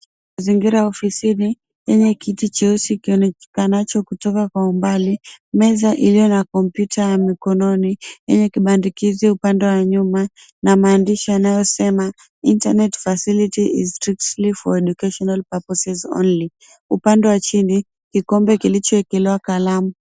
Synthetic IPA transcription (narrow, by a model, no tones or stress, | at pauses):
maziŋɡiɾajɔfisini | jɛɲɛkitit͡ʃɛusikiɔnɛkanat͡ʃɔkutɔkakwaumbalimɛzaʔilijɔnakɔm̩pjutʰajamikɔnɔnijɛɲɛkiɓandikiziupandɛwaɲuma | namaːndiʃianajɔsɛma | intanɛtfasilitiʔḭzstɾik̚tlifɔ̰ɛɗukaʃɔnalpapɔsɛzɔ̰nli | upandɛwat͡ʃini | kikɔmbɛkilit͡ʃɔɛkɛlɛwakalamu